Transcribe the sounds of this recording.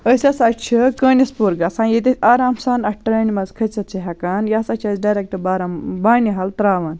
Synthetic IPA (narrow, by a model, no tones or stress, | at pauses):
əsʲɐsat͡ʃʰikənispuɾɡɐsãːnjet̪̬ʲɐsaːɾaːmsaːnɐʈːɐɾɐːnimɐzkʰɐt͡sɐt̪̚t͡ʃʰiɦɐkaːnjaːsɐt͡ʃʰɐzɖajɾek̚ʈɨbaːɾɐmbaːniɦɐlt̪ɾaːʋɐːn